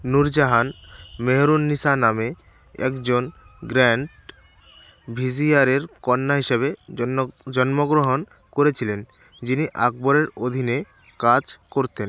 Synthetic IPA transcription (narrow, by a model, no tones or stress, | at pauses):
nuɾd͡ʑaɦanmeɦɾunːiʃaname | ɛ̰kd͡ʑonɡɾɛɳʈ | bʱid͡ʑiaɾeɾkɔnːaɦiʃeβe | d͡ʑɔnmoɡɾoɦon | koɾet͡ɕʰilen | d͡ʑiniʔa̰k̚boɾeɾod̪ʱine | kad͡ʑkoɾt̪en